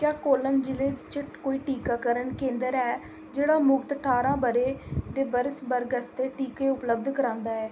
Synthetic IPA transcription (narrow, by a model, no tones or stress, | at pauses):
kjaːkoːlənd͡ʒɪleːt͡ʃəkoːiːʈiːkaːkəɾənkẽːnd̪əɾɛː | d͡ʒeːɽaːmʊkt̪ʈʰaːɾãːbəɾeːd̪eːbəɾəsbəɾɡəst̪eːʈiːkeːʊpləb̚d̪kəɾãːnd̪aːɛː